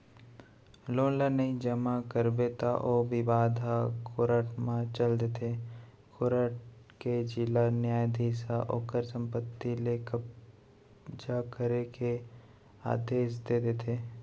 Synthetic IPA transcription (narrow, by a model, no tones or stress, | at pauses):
loːnlanəĩd͡ʒəmakəɾbet̪a̰ʔobɪbaːd̪ʱakoɾəʈmãt͡ʃəld̪et̪ʰe | kʰʊɾəʈked͡ʒɪlanjaːjd̪ʱeːsaʔo̰ːkəɾsə̃mpət̪ːilekə | d͡ʒakəɾeke | a̰ːd̪eːʃ̬d̪eːd̪et̪ʰeː